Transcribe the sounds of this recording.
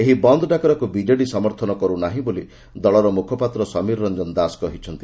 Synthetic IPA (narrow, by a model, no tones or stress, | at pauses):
eɦibɔnd̪ɔɖakɔɾɔkubid͡ʒaɽisɔmɔɾt̪ʰɔnɔkɔɾunaɦĩboli | d̪ɔɭɔɾɔmukʰɔpat̪ɾɔsɔmiɾɾɔnd͡ʒɔnd̪askɔɦit͡ʃʰɔnt̪i̥